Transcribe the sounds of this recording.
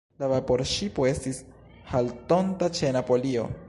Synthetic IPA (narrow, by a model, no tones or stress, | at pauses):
lavapo̞ɾʃipoe̞stis | halto̞ntat͡ʃe̞napo̞lio̞̰